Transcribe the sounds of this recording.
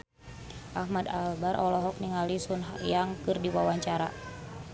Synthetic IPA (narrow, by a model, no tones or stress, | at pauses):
ʔahmadalbaɾʔɔlɔɦɔk̚niŋalisunɦajaŋkɨrdiwawaɲt͡ʃaɾa̰